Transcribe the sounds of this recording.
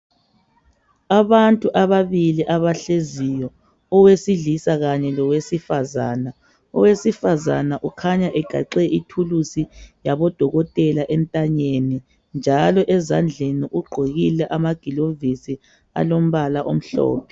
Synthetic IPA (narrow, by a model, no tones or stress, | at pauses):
aβantʼuʔaβaβiliʔaβaɬezijɔ | ɔwesiɮisaɣaɲɛlɔwesifaza̰ːna | ɔ̰wesifazanaʔukʰaɲaʔɛɡ̥ʱa̰ǃɛʔitʰulusijaβɔd̥ʱɔɣɔtʼɛlaʔɛntʼaɲeni | nd͡ʒʱalɔʔɛzand͡ɮʱeniʔuɡ͡ǃʱoɣilɛʔamaɡ̥ʱilovisi | a̰lom̩βalaʔom̩ɬɔ̰ːpʰɛ